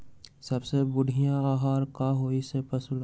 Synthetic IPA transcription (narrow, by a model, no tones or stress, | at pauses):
sɐbsebʊɽʱijãaːɦaːɾkaɦoːisepɐsʊl